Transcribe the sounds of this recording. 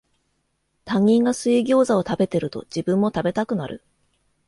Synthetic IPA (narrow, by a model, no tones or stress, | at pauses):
t̪ãŋʲːĩŋɡasɨiɡʲo̞ːzao̞t̪abe̞t̪e̞ɾɯ̟t̪o̞̰d͡ʑibɯ̟̃mːo̞t̪abe̞t̪akɯ̟naɾɯ̟̰